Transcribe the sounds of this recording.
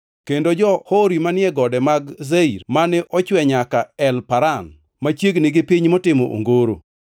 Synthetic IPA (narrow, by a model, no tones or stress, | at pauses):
kendod͡ʒɔhoɾimanɪɛɡɔdɛmaɡzeiɾmanɛʔɔt͡ʃwɛɲakaɛlpaɾan | mat͡ʃjeɡnɪɡɪpiɲmɔtɪmɔʔo̰ŋɡoɾo